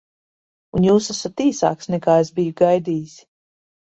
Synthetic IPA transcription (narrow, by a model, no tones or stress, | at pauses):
unjuːsasat̪iːsa̰ːksnɛkaːezbijuɡajd̪iːis